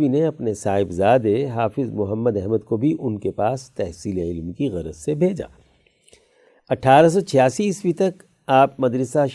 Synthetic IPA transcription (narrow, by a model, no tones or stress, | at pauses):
ineɐpnesaːɦɪbzaːd̪eɦaːfɪzmʊɦəmːəd̪ɛɦməd̪kobʱiʔʊnkepaːst̪ɛɦsiːleɪlmkiɣɐɾə̰t̪sebʱeːd͡ʒa̰ː | ɐʈʰaːɾas̬ɔt͡ʃʰɐjaːsiːswit̪ɐk | aːp̚mɐd̪ɾəsaʃ